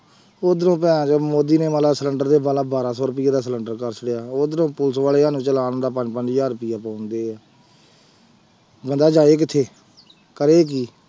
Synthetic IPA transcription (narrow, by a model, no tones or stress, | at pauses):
oːd̪ənõːpɛ̃ːt͡ʃːmoːd̪iːneːmaːlaːsələɳɖəɾd̪eːbaːlãːbaːɾaːsɔːɾʊp̬ɪjaːd̪aːs̬ələɳɖəɾkəɾsʰəɽjaːoːd̪ənõːpʊlsʋaːleːɦaːnũːt͡ʃəlaːñːd̪aːpəɲd͡ʒpəɲd͡ʒjaːɾʊpɪjaːpãːʊnd̪eːɛː | bənd̪aːd͡ʒaːeːk̬ɪt̪ʰeː | kəɾeːk̬iː